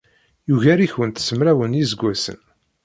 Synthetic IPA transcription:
juʝæɾiçwənt̪səmɾæwənjizɡʷæsə̰n

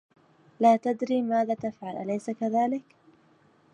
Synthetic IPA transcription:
laːt̪ad̪ɾiːmaːðaːt̪afʕalʔalajsakaðaːlɪk

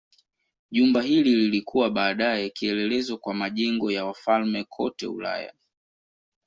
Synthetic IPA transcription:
ʄumbaɦilililikʰuwaɓaːɗaɛkiɛlɛlɛzɔkwamaʄɛŋɡɔjawafalmɛkʰɔ̰tɛ̰ṵla̰ja̰

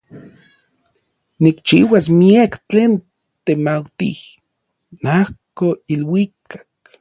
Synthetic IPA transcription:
nikt͡ʃiːwasmiekt͡ɬeːn | t̪emawt̪ḭh | nahkoilwikḁk

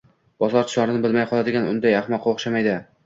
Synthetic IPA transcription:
b̥ɒzɒɾt͡ʃ̪ʰɪ̥ʃaɾɪnɪbɪlmajqʰɒlˠad̪ɪɡʲanʊnd̪ajaχmɒqːɑoχʃamajd̪ɪ

